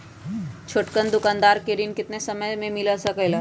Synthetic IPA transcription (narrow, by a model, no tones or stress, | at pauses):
t͡ʃʰoːʈkənd̪ʊkaːnd̪aːɾkeɾinkɪt̪nesɐməjmẽmɪlasɐkəjlaː